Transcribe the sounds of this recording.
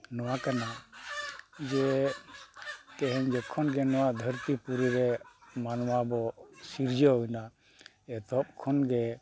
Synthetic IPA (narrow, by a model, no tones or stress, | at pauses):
nɔwakana | d͡ʒɛ | k̪ɛɦɛɲd͡ʒɛkʰɔnɡɛnɔwaʔd̪ʱəɾt̪ipuɾiɾɛmanwabɔsiɾd͡ʒɔɦɔjna | ɛt̪ɔp̚kʰɔnɡɛ